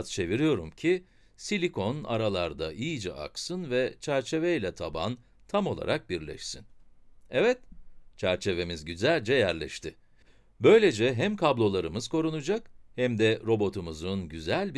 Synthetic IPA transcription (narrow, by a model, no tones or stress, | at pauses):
t̪t͡ʃʰe̞viɾijo̞ɾumcʰi | silʲikʰo̞na̰ɾalˠaɾd̪aʔijd͡ʒɛ̰ʔa̰ksɯnvɛt͡ʃʰæɾt͡ʃʰe̞vejlʲɛt̪ʰaba̰n | t̪ʰamo̞lˠa̰ɾʔak̚biɾlʲɛ̰ʃsinɛvɛt̪̚t͡ʃʰæɾt͡ʃʰe̞ve̞mizɟyzælʲd͡ʒɛjæɾlʲɛ̰ʃt̪ʰɪ | bø̞jlʲe̞d͡ʒɛɦæmkʰablˠo̞lˠaɾɯmɯz̥ko̞ɾunud͡ʒakhæmd̪ɛɾo̞bo̞t̪ʰumuzunɟyzælʲb